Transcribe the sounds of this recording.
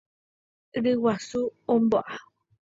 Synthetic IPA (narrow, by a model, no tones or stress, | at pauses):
ɾɨwasuõmboʔa